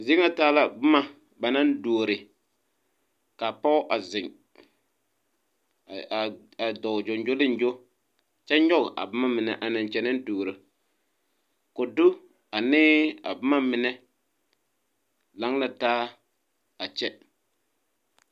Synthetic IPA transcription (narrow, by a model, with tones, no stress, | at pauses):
zɪ˦ŋa˦taː˦la˦bʊ˦ma˨ | ba˨na˦n˦doː˨ɾɪ˨ | ka˨pɔ˦ʔa˨zɪ˨ŋ˨ | a˨dɔ˨d͡ʒo˨nd͡ʒo˦lɪ˦n˦d͡ʒo˦ | t͡ʃɛ˦ɲɔ˦ɣʔa̰˨bʊ˦ma˦mɪ˨nɛ˨ʔa˨na˨n˨t͡ʃɛ˦na˦n˦doː˨ɾɨ˨ | kʊ˨dʊ˦ | a˨nɪː˦a̰˨bʊ˦ma˦mɪ˨nɛ˦ | la˨˦ŋla˨taː˦ | a˨t͡ʃɛ˦